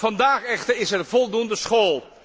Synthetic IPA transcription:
vɑndaːχɛχtəɹɪsɛrvɔlˠdundəsχoːlˠ

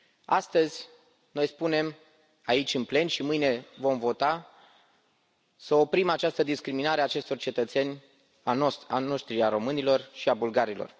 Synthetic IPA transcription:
a̰st̪əzʲ | no̞jspune̞m | ait͡ʃʲɨnple̞nʃimɨjne̞vo̞mvo̞t̪a | səo̞pɾimat͡ʃast̪əd̪iskɾiminaɾeaːt͡ʃe̞st̪o̞rt͡ʃe̞t̪ət̪se̞nʲ | ano̞ʃt̪ɾiaɾo̞mɨnilo̞rʃiabulɡaɾilo̰r

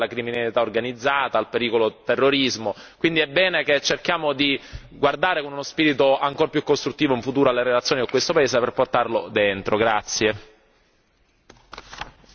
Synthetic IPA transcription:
lakɾiminalit̪aorɡanid̪zːaːt̪aːlpeɾiːkolot̪erːoɾizmokwind̪iɛbːɛːneket͡ʃːerkjaːmod̪i | ɡward̪aːɾekonunospiːɾit̪oaŋkorpjukːost̪ɾut̪ːiːvoiɱfut̪uːɾoalːeɾelat̪sːjoːniakwest̪opaeːszeperport̪arlod̪ent̪ɾoɡɾat̪sːje

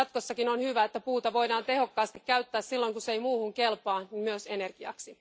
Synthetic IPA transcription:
ɑt̪ko̞sːɑkinonhyʋæet̪ːæpuːt̪ɑʋo̞jdɑːnt̪e̞ho̞kːɑːst̪ikkæyɥt̪ːæːssilːojŋkusejmuːhuŋkelpɑːnimyøsene̞rɡ̥iɑ̰ksi

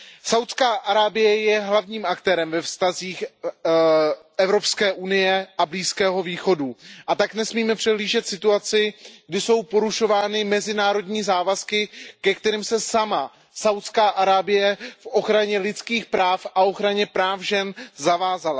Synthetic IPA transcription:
sawt̪skaːʔaɾaːbɪjɛjɛɦlavɲiːmʔakt̪ɛːɾɛmvɛfst̪aziːx | ʔɛvɾo̞pskɛːʔunɪjɛʔabliːskɛːɦo̞viːxo̞duʔat̪aknɛsmiːmɛpr̝̥ɛɦliːʒɛt̪sɪt̪uat͡sɪɡdɪso̞wpo̞ɾuʃo̞vaːnɪmɛzɪnaːɾo̞dɲiːzaːvaskɪkɛkt̪ɛɾɪmsɛsama | sawt̪skaːʔaɾaːbɪjɛfʔo̞xɾaɲɛlɪt̪t͡skiːxpɾaːfaʔo̞xɾaɲɛpɾaːfʒɛnzavaːzala

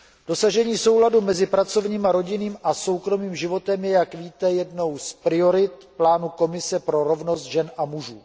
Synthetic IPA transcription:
d̥o̞saʒɛɲiːso̞wladumɛzɪpɾat͡so̞vɲiːmaɾo̞ɟɪniːmʔaso̞wkɾo̞miːmʒɪvo̞t̪ɛmjɛjakviːt̪ɛjɛdno̞wspɾɪo̞ɾɪt̪plaːnuko̞mɪsɛpɾo̞ɾo̞vno̞st̪ʒɛnʔamuʒuː

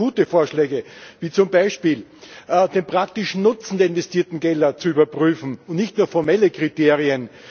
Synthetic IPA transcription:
uːtəfoːɐʃlɛːɡəviːt͡sʊmbaɪʃpiːlʔd̥enpʁ̥ak̚tɪʃnʊt͡sn̩deɐɪnvɛstiːɐtn̩ɡɛldɐt͡suyːbɐpʁyːfn̩ʊntnɪçtnuːɐfɔɐmɛləkʁiteːʁiən

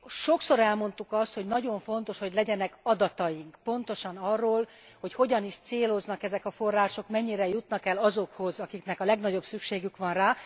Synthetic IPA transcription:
ʃo̞kso̞ɾɛlmo̞n̪t̪ukɒst̪ho̞ɟnɒɟo̞ɱfo̞n̪t̪o̞ʃho̞ɟlɛɟɛnɛkɒd̪ɒt̪ɒjiŋkpo̞n̪t̪oʃɒnɒrːoːl | ho̞cho̞ɟɒniʃt̪seːlo̞znɒkɛzɛkɒfo̞rːaːʃo̞kmɛɲːiɾɛjut̪nɒkɛlːɒzo̞kho̞zɒkiknɛkɒlɛɡnɒɟo̞bsykʃeːɡykʋɒnraː

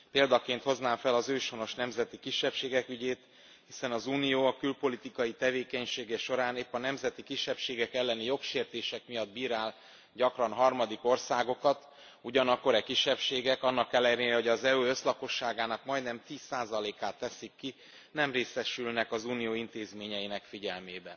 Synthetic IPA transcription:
peːld̪ɒkeːnt̪ho̞znaːfɛlɒzøːʃo̞no̞ʃnɛmzɛt̪ikiʃːɛpʃeːɡɛkyɟeːt̪ | hisɛnɒzuːnijoːɒkylpo̞lit̪ikɒjit̪ɛveːkɛɲʃeːɡɛʃo̞ɾaːneːpːɒnɛmzɛt̪ikiʃːɛpʃeːɡɛkɛlːɛnijo̞kʃeːrt̪eːʃɛkmijɒd̪̚biːɾaːl | ɟɒkrɒnɦɒrmɒd̪iko̞rsaːɡo̞kɒt̪ | uɟɒnɒkːo̞ɾɛkiʃːɛpʃeːɡɛkɒnːɒkːɛlːɛɾeːɾɛɦo̞ɟɒzɛøːø̞slɒko̞ʃːaːɡaːnɒkmɒjd̪nɛmt̪iːsaːzɒleːkaːt̪ːɛsikːi | nɛmreːsɛʃylnɛkɒzuːnijoːint̪eːzmeːɲɛjinɛkfiɟɛlmeːbɛn

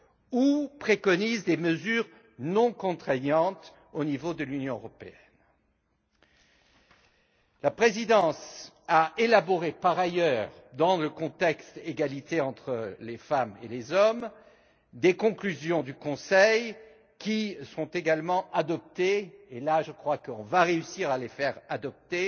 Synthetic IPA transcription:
upχekɔnizd̪eməzyːʁ | nɔ̃kɔ̃t̪χɛɲɑ̃t̪ | onivod̪əlynjɔ̃øʁɔpeɛn | lapχezid̪ɑ̃s | aʔelabɔʁepaʁajœʁ | d̪ɑ̃ləkɔ̃t̪ɛkst̪eɡalit̪eɑ̃t̪χəlefamelezɔm | d̪ekɔ̃klyzjɔ̃d̪ykɔ̃sɛj | kʲisɔ̃t̪eɡalmɑ̃ʔad̪ɔp̚t̪eelaʒəkχwakəɔ̃vaʁeysiʁalefɛʁad̪ɔp̚t̪e

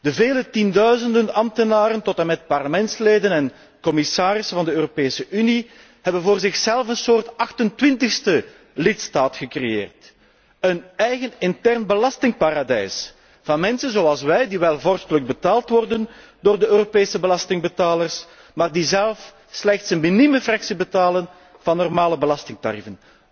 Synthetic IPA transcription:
d̥əveːlətindœɥzəndənɑmtənaːɾəntɔtənmɛt̚pɑrləmɛntsleːdənɛn | kɔmɪsaːɾɪsfɑndəøːropeːsəʔyni | hɦɛbənvoːrzɪxsɛlˠfənsoːrtɑxtəntʋɪntəxstə | lɪtstaːtxəkrejḛːrt | ənɛjɣənɪntɛrnbəlɑstɪŋpaːɾadɛjs | vɑnmɛnsənzoɑlˠsʋɛjdiʋɛlˠvɔrstələɡ̚bətaːlˠtʋɔrdən | doːrdəøːropeːsəbəlɑstɪŋbətaːlərs | maːrdizɛlˠf | slɛxtsənminiməfrɑksibətaːlən | vɑnːɔrmaːləbəlɑstɪŋta̰ɾifən

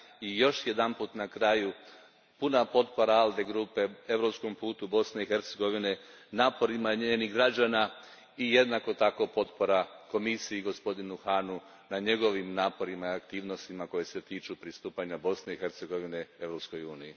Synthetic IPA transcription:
ijo̞ʃjed̪anpuːt̪nakɾaju | punapo̞t̪po̞ɾaald̪e̞ɡɾupe̞e̞ʋɾo̞psko̞mpuːt̪ubo̞sne̞ixe̞ɾt̪se̞ɡo̞ʋine̞naːpo̞ɾimaɲeeniɦɡɾad͡ʒaːna | ije̞d̪nako̞t̪ako̞po̞t̪po̞ɾako̞misiiɡo̞spo̞d̪inuxanu | naɲe̞ɡo̞ʋimnaːpo̞ɾimaiakt̪iːʋno̞st̪imako̞je̞se̞t̪iːt͡ʃupɾist̪uːpaɲabo̞sne̞ixe̞ɾt̪se̞ɡo̞ʋine̞e̞ʋɾo̞psko̞juːniji

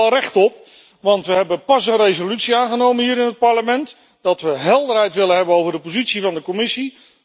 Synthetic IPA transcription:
rɛχtɔp | ʋɑntʋəɦɛbənpɑsənrejzolytsiaːnχənowmənɦiːɾɪnɦət̚pɑɹləmɛnt | d̥ɑtʋəɦɛlˠdərɦɛjtʋɪlənɦɛbənowvəɹdəpozitsivɑndəkomɪsi

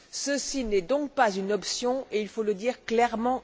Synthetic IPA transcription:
səsinɛd̪ɔ̃k̚pazynɔpsjɔ̃eilfoləd̪iːʁklɛʁmɑ̃

